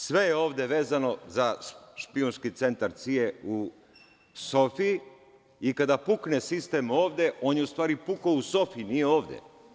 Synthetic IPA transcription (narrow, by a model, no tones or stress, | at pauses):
sʋe̞jeo̞ːʋd̪e̞ʋe̞ːzano̞zaʃpionskit̪se̞nt̪aɾt̪sieu | sofii | ikad̪apuknesist̪e̞mo̞ːʋd̪e̞ʔo̞ːnjeust̪ʋaːɾipukouso̞fiinijeo̞ːʋd̪ḛ